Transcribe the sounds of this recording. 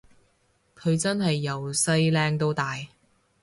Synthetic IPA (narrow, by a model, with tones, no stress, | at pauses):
kʰɵ˨˧ɥt͡sɐ˥nɦɐ˨jːɐ˨˩wsɐ˧˥jlɛː˧ŋt̪o˥wt̪aː˨j